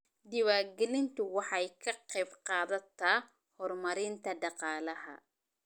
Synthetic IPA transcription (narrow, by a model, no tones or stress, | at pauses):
d̪ɪwaːɡɛlɪnt̪ʊwɑħɑjkʰɐqɛbqɑːðɐt̪ʰaː | hɔɾmɐɾiːnt̪ʰɐɖɑqɑːlɐhɐ̰